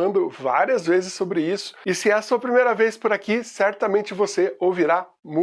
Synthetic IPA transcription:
ɐ̃nd̪ʊva̰ɾiɐzvezɪsːobɾɪisʊ̥ɪsɪɛɐsuɐpɾimejɾɐvejspʊɾakisɛɾt̪ɐmẽnt͡ʃɪvoseoviɾa | mũ

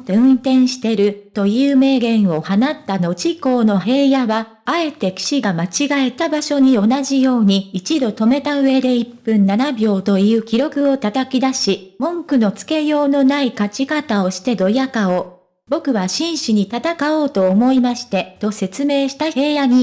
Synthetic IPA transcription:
eɯ̟̃nt̪ẽ̞ɰ̃ɕi̥t̪e̞ɾɯ̟t̪o̞jɯ̟ːme̞ːɡẽ̞ɰ̃o̞hanat̪ːano̞t͡ɕiko̞ːno̞ɦe̞ːjaβaː | e̞t̪e̞kʲi̥ɕiɡamat͡ɕiɡae̞t̪abaɕo̞ɲ̟io̞naʑijo̞ːɲ̟iːt͡ɕid̪o̞t̪o̞me̞t̪aɯ̟e̞d̪e̞ipːɯ̟̃nːanabʲjo̞ːt̪o̞iɯ̟ːkʲiɾo̞kɯ̟o̞t̪at̪akʲid̪aɕimõ̞ŋkɯ̟no̞t͡sɨ̥ke̞jo̞ːno̞naikat͡ɕikat̪ao̞ɕi̥t̪e̞d̪o̞jakao̞ː | bo̞kɯ̟βaɕĩɰ̃ɕiɲ̟it̪at̪akao̞ːt̪o̞ːmo̞imaɕi̥t̪e̞t̪o̞se̞t͡sɨme̞ːɕi̥t̪ae̞ːjaɲ̟i

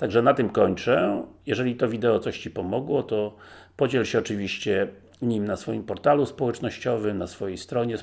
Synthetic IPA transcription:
t̪aɡʐɛnat̪ɘmkɔɲt͡ʂɛjɛʐɛlʲit̪ɔvʲid̪ɛɔt̪sɔɕt͡ɕipɔmɔɡwɔt̪ɔpɔd͡ʑɛlɕɛɔt͡ʂɘvʲiɕt͡ɕɛ | ɲimnasfɔjimpɔɾt̪aluspɔwɛt͡ʂnɔɕt͡ɕɔvɘmnasfɔjejst̪ɾɔɲɛ

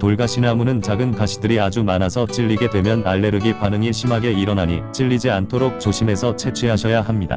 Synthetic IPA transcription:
toɭɡaɕʰinamunɯnt͡ɕaɡɯnkaɕʰi̥dɯɾiad͡ʑumanasʰʌt͡ɕ͈iʎːiɡe̞dwe̞mjʌnaɭːe̞ɾɯɡipanɯŋiɕʰimɦaɡe̞iɾʌnɦaɲit͡ɕ͈iʎːid͡ʑiantʰoɾok̚t͡ɕoɕʰime̞sʰʌt͡ɕʰe̞t͡ɕʰeɦaɕʰʌjaɦamɲida̰

